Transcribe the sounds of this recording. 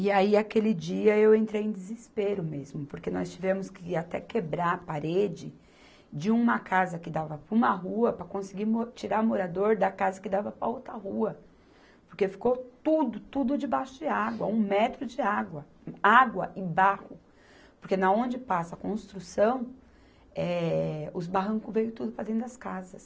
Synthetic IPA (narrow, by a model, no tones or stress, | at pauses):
iaiakelɪd͡ʒiɐewẽnt̪ɾejẽd̪ɪzɪspeɾʊmezmʊpoɾkenɔ̰st͡ʃivẽmʊskɪat̪ɛkebɾaɾpaɾed͡ʒɪ | d͡ʒɪũmɐkazɐkɪd̪avɐpũmɐɦuɐpɾɐkõsɪɡiɾmot͡ʃiɾaɾmoɾad̪oɾd̪ɐkazɐkɪd̪avɐpɾɐowt̪ɾɐɦuɐ | poɾkefi̥kot̪ud̪ʊt̪ud̪ʊd͡ʒɪbaʃʊd͡ʒɪaɡwɐ̰ũmɛt̪ɾʊd͡ʒɪaɡwɐ | aɡwɐʔɪbahʊ | poɾkenɐõnd͡ʒɪpasɐkõst̪ɾusɐ̃w̃ | ɛʊzbaɦɐ̃ŋkʊvejʊt̪ud̪ʊpɾɐd̪ẽnʊd̪ɐskazɐs